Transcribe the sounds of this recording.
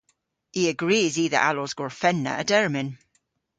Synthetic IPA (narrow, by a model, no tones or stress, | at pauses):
hiəɡɹiːziːðə̰ɹʔalɔzɡɔɹfɛnːə̰əd̥ɛɹmɪ̃n